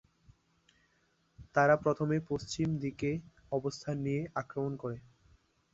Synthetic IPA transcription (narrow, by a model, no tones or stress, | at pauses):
t̪aɾapɾot̪ʰomepost͡ɕimd̪ike | ɔbost̪ʰanːijeakɾomonkoɾe